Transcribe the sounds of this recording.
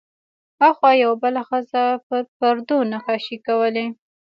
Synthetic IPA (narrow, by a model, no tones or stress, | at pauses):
haxwɑjawabəlaxəzapəɾd̪onaxaʃikawəle